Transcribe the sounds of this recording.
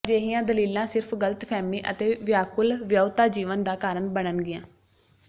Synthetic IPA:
d͡ʒeːɦɪːãːd̪əliːlãːsɪɾpʰɡələt̪pʰɛːmiːʔə̰t̪eːʋɪjaːkʊlʋjəːt̪aːd͡ʒiːʋənd̪aːkaːɾəɳbəɽənɡɪjãː

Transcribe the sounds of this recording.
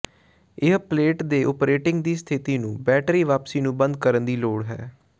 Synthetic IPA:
ɪɦpleːʈd̪eːʔʊpɾeːʈɪŋɡd̪iːst̪ʰɪt̪iːnũːbɛːʈɾiːʋaːpsiːnũːbənd̪̚kəɾənd̪iːloːɽɦɛː

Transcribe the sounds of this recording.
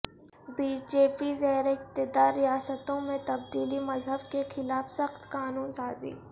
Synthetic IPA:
biːd͡ʒeːpizɛːɾɪqt̪ɪd̪aːɾːijaːsət̪õmẽt̪ɐb̚d̪iːlimɐzɦəbkexɪlaːfsɐxt̪kaːnuːnsaːzḭː

